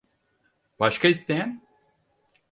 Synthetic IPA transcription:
b̥aʃkaist̪ejɛn

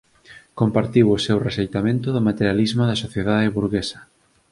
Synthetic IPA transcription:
kompaɾt̪iwʊsewresejt̪amẽnt̪ʊðʊmat̪eɾjalizmaðɐsoθjeðaðɪβuɾɣesɐ̥

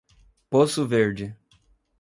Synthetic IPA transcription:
posʊveɾd͡ʒɪ

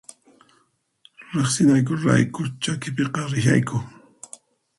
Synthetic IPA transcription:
ɾeχsɪnajk̬ʊɾa̰jkʊt͡ʃakɪpeqɑɾɪʃa̰jkʊ

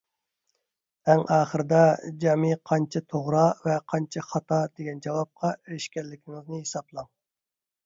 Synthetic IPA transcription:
æŋʔɑːχəɾɨd̪ɑd͡ʒɑmiqʰɑnt͡ʃʰɑt̪ʰoʁɾɑvɛqʰɑnt͡ʃʰɑχɑt̪ʰɑd̪eɡʲɛnd͡ʒɑwɑp̚qʰɑeɾɪʃkʲɛlːɪkʲʰɪŋɨznɨɦesɑplˠɑŋ

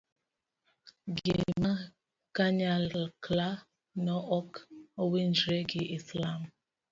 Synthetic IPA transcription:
ɡḛma | kaɲalkla | nɔʔɔkowend͡ʒɾeɡɪislam

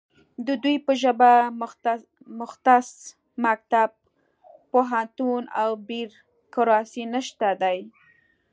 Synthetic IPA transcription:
d̪əd̪ujpəʒəba | mʊxt̪as | mak̚t̪ab̚ | poɦant̪una̰wbiɾ | kʊɾɑsinəʃt̪ad̪aj

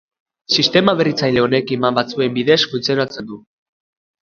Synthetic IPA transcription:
sist̪e̞maβe̞rit͡sajle̞o̞ne̞kemambat͡sue̞mbiðe̞skunt͡seɾat͡send̪u

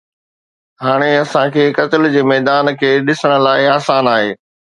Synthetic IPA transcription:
ɦaːɽ̃eɐsãkʰeːkɐt̪ɪld͡ʑeːmɛːd̪aːnkʰeːɗɪsəɽ̃ə̆laːɪaːsaːnaːɦeː

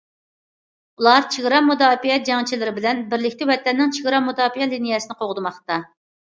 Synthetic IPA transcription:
ulˠɑɾt͡ʃʰiʁɾɑmud̪ɑːpijɛt̪̚d͡ʒɑŋt͡ʃʰilɪɾɪbɪlɛnbɪɾlɪkʲt̪ɪwɛt̪ɛnːɪŋt͡ʃʰiʁɾɑmud̪ɑːpijɛlinijɛsɨnɨqʰoʁd̪ɨmɑχt̪ɑ

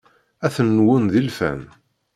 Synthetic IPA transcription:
æθənːwʊnðilfæ̰n

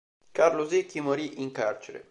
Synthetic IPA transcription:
karlozekːimoɾiʔiŋkart͡ʃeɾḛ

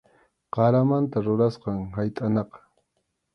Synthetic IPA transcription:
qɑɾamant̪aɾʊɾasqɑŋhajt̪ʼanɑqɑ̥

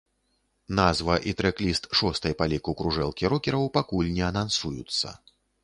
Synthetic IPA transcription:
nazvɐʔit̪ɾɛklʲist̪ʂɔst̪ɐjpalʲikukɾuʐɛlˠkʲiɾɔkʲɛɾɐwpakulʲnʲɛɐnansujut̪sːɐ̰

